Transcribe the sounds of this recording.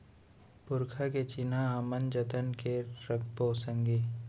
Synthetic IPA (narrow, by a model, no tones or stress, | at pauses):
pʊɾkʰaket͡ʃinaaːmənd͡ʒət̪ənkeɾək̚ʰboːsə̃ŋɡi